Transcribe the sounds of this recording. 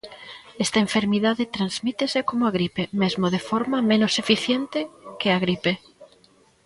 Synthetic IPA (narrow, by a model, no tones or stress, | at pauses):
est̪aeɱfeɾmiðaðet̪ɾanzmit̪esekomoaɣ̞ɾipemezmoðefoɾmamẽnosefiθjent̪ekeaɣ̞ɾipe